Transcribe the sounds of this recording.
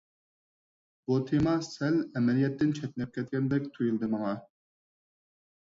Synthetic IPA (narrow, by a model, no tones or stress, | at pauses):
b̥ut̪ʰemɑsælɛmɛlijɛt̪ːɪnt͡ʃʰɛt̪ʲnɛp̚kʲʰɛt̪̚kʲɛnd̪ɛkʲt̪ʰujulˠd̪ɨmɑŋɑ